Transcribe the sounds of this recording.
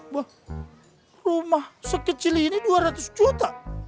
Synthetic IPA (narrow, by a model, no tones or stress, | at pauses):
wah | rumahsəkːət͡ʃilihniduaɾat̪ʊsd͡ʒut̪a